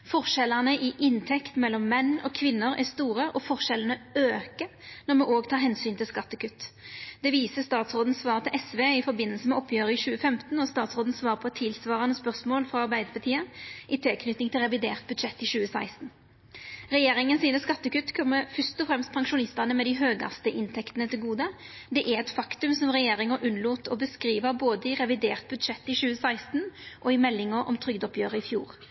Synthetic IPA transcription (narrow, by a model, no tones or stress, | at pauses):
fɔʁʂɛlːənəʔɪʔɪnt̪ʰɛkt̪mɛlːɔmːɛnːɔːkʰʋɪnːəɾæst̪uːʁəʔɔfɔʁʃɛlənəøːkənɔmɛoːɡt̪ʰɑːɾɦɛnsyːnt̪ɪlskɑt̪ːəkʰʉt̪ːd̪̥ɛʋiːsəst̪ɑːt̪sʁoːd̪n̩sʋɑːʁət̪ʰɪlʔɛsʋeːɪfɔɾbɪnːəlsəmɛɔpʰːjøːʁəɪʃʉːəfɛmt̪n̩ɔst̪ɑːt̪sʁoːd̪n̩sʋɑːʁəpʰɔt̪ʰɪlsʋɑːʁɑnəspœʁsmoːlfʁɑɑʁbæɪd̪əʁpʰɑt̪ʰiːəʔɪt̪ʰɪlkʰnʏt̪nɪŋt̪ʰɪlʁɛʋɪd̪ḛːʁt̪̚bʉd̪ʂɛt̪ːɪʃʉːəsæɪst̪n̩ | ʁɛjeːɾɪŋənsiːnəskɑt̪ːəkʉt̪ːkʰɔmːəfœst̪ɔfɾɛmst̪̚pʰɑŋʃʊnɪst̪əʁnəmɛd̪ɪɦøːɡɑ̰st̪əʔɪnt̪ʰɛkt̪ənət̪ʰɪlɡuːd̪əd̪ɛʔæɛt̪fɑkt̪ʉmsɔmʁɛjeːɾɪŋəʔʉnluːt̪ʰɔbəskɾiːʋəboːd̪əɪʁɛʋɪd̪eːʁt̪̚bʉd̪ʃɛt̪ːɪʃʉːəsæɪst̪nʔɔɪmɛlːɪŋəɾʔɔ̰mt̪ʰɾʏɡd̪ɔpʰjøːʁəɪfjṵːʁ